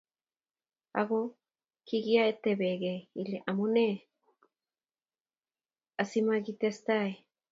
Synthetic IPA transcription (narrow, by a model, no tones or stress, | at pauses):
a̰ɣo | kiɣiaet̪eβeɣeiliʔamone | asimaɣit̪est̪ae